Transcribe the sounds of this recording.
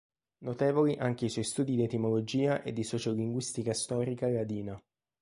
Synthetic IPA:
not̪eːvoliʔaŋk̟eiswɔjst̪uːd̪id̪iet̪imolod͡ʒiːaʔḛd̪ːisɔt͡ʃoliŋɡwist̪ikast̪ɔːɾikalad̪iːna

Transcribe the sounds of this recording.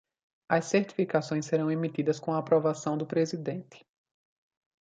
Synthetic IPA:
ɐsːeɾt̪i̥fikasõj̃seɾɐ̃w̃emit̪id̪ɐskõw̃ɐaːpɾovasɐ̃w̃d̪ʊpɾezid̪ẽnt̪ɪ̥

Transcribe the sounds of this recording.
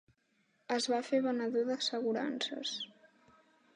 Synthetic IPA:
əzβafeβənəðoðəsəɣuɾa̰nsə̰s

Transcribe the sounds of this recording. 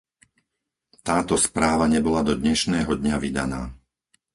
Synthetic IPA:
t̪aːt̪ɔspɾaːʋaɲɛbɔlad̪ɔd̪ɲɛʃnɛːɦɔd̪ɲaʋid̪a̰na̰ː

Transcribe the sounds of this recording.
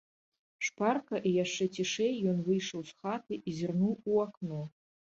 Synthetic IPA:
ʂparkɐʔijaʂt͡ʂɛt͡sʲiʂɛjːɔnvɨjʂɐwsxat̪ɨʔizʲɨrnuwuaknɔ

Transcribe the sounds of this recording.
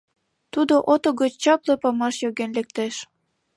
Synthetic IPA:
t̪ud̪oʔot̪oɣət͡ɕt͡ɕɑplɤpɑmɑʃjoɣenlek̚t̪eʃ

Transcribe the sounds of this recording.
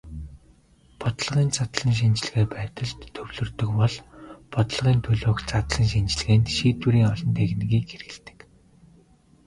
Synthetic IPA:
pɔt̪̆ɮʁiːnt͡sat̪ɮə̆ŋʃ̬int͡ɕ̆ɮ̆ɣeːpæːt̪ə̆ɮt̪ʰːɵwɮɵ̆rt̪ɵ̆kpɔɮpɔt̪ɞ̆ɮʁiːnt̪ʰɵɮoːkt͡sat̪ɮə̆ŋʃint͡ɕɪ̆ɮɣeːnt̪ʃiːt̪wuɾiːŋɔɮɞ̆nt̪ʰeːxnɣiːkxerɘ̆ɘ̆ɮt̪ɘ̥̆k

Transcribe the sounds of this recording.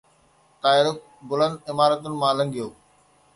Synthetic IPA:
t̪aːɪlʊk̚bʊlə̃nd̪̚ɪmaːɾət̪ʊnɪ̆mãːlɐ̃ŋɡijoː

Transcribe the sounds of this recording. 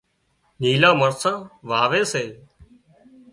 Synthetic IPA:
niːlãːməɾsãːʋaːʋeːseː

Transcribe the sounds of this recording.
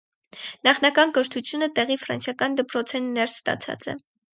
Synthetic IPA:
nɑχnɑkɑnkəɾt̪ʰut͡sʰjunət̪ɛʁifɾɑ̰nsjɑkɑnd̪əpɾɔt͡sʰɛnːɛɾsst̪ɑ̰t͡sʰɑ̰t͡sɛ̰

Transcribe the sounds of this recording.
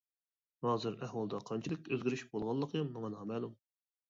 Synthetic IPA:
hɑːzɨɾæhwɑlˠd̪ɑqʰɑnt͡ʃʰilˠɪkʲøzɡʲiɾyʃbolˠʁɑlˠːəqʰjɑmːɑŋɑnɑmɛlˠum

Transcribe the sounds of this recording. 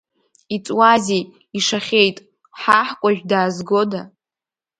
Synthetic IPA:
it͡sʼwazej | iʂaχʲejtʼ | ħaħkʷʼaʒᶣdaːzɡo̞da

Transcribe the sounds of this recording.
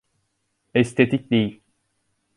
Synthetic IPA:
ɛst̪ʰet̪ʰic̚d̪ejilʲ

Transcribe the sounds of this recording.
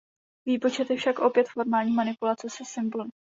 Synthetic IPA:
viːpo̞t͡ʃɛt̪jɛfʃakʔo̞pjɛt̪fo̞ɾmaːlɲiːmanɪpulat͡sɛsɛsɪmbol

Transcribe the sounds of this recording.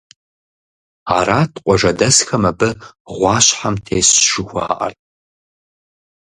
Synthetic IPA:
aɾaːtʰqʷʼɔʐɐdɐsxɐmɐbɨ | ʁʷɑːɕħamtʰeːsʂɨxʷa̰ːʔɐ̰rtʼ

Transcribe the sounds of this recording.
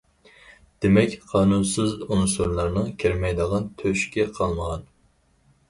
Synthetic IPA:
d̪̥emɛkʲqʰɑːnunsɨzunɨsuɾlˠɑɾnɨŋkʲʰeɾmɛjd̪əʁɑnt̪ʰøʃkʲɛqʰɑlˠməʁɑn

